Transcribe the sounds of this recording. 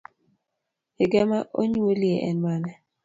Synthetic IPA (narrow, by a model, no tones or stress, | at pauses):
eɡɛmaʔo̰ɲuolieʔɛnmanɛ